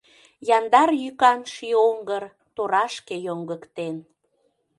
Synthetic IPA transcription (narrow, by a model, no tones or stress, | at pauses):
jɑnd̪ɑrjykɑnʃioŋɡər | t̪oɾɑʃkejoŋɡəkt̪en